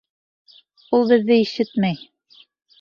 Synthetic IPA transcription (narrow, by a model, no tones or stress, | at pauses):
ulˠbɘ̆ðːɘiʃɘt̪mæj